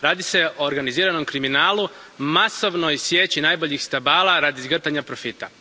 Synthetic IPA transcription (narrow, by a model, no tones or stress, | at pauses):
ɾaːd̪ise̞oːɾɡaniziːɾano̞mkɾiminaːlumaso̞ʋnojsjeːt͡ɕinajbo̞ʎixst̪abaːlˠaɾad̪izɡr̩t̪aɲapɾo̞fit̪a̰